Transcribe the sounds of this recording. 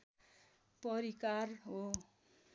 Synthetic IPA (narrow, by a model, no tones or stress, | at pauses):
pʌɾikarɦo